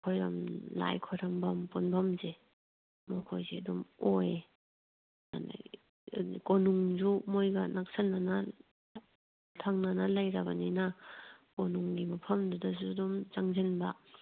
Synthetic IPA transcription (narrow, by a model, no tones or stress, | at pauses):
kʰojɾamla̰jkʰojɾambampunbamze | mɔkʰojzeadumoj | ma̰na̰j | konuŋzumojɡanak̚sanːana | tʰaŋnanalajɾabaninakonuŋɡimapʰɐmdudazudumzaŋzenba